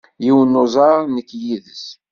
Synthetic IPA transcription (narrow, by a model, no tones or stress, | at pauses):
jiwənːozˤɑɾˤnəkːjiðəs